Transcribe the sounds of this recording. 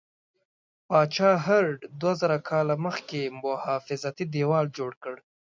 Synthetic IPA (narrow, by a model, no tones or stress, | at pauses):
pɑt͡ʃɑːɦaɾɖd̪wazəɾakʰɑlaməxkemʊhɑːfɪzat̪id̪ewɑld͡ʒoɽkəɽ